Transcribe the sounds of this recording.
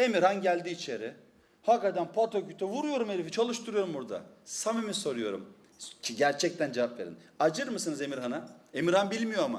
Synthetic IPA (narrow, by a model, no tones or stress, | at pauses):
e̞miɾhanɟælʲd̪iːt͡ʃʰe̞ɾɪ | hakat̪ænpʰat̪ʰocyt̪ʰɛvuɾujo̞ɾumeɾifit͡ʃʰalˠɯʃt̪ʰuɾujo̞ɾumbuɾd̪a̰samimiso̞ɾujo̞ɾṵm | t͡ʃɟæɾt͡ʃʰɛc̚t̪ʰænd͡ʒevapve̞ɾḭnad͡ʒɯɾmɯsɯnɯze̞miɾɦanae̞miɾhanbilʲmijo̞ama̰